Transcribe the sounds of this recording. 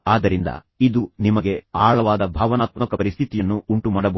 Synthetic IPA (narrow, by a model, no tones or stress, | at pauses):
aːd̪ɐɾind̪ɐ̰ | id̪unimɐɡe̞aːɭɐʋaːd̪ɐbʱaːʋɐnaːt̪mɐkɐpɐɾist̪ʰit̪ijɐnːuːɳʈumaːɽɐbɐ